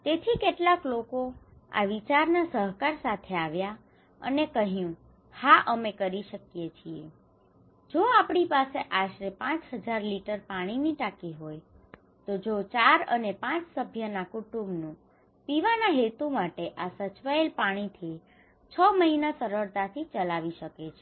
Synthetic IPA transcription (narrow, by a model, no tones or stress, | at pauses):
t̪et̪ʰikeʈlaklokoa̰ʋit͡ʃaɾnasəɦkaɾsat̪ʰeaʋja | ə̰nekəɦjũ | haʔəmekəɾiʃəkjet͡ʃʰiḛ | d͡ʒoapɽ̃ipaseʔaʃɾepãt͡ʃɦəd͡ʒaɾliʈəɾpaɽ̃iniʈakiɦoj | t̪od͡ʒot͡ʃaɾə̰nepãt͡ʃsəbʱjənakuʈũmbnũ | piʋanaɦet̪umaʈeʔasət͡ʃʋaelpaɽ̃it̪ʰi | t͡ʃʰəməɦinasəɾəɾt̪at̪ʰit͡ʃəlaʋiʃəket͡ʃʰe